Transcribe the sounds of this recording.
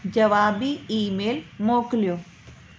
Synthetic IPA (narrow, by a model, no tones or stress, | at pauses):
d͡ʒɐʋaːbiiːmeːlmoːkljoː